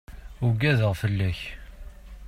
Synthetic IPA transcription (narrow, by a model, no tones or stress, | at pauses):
ʊɡːæðəʁfəlːæç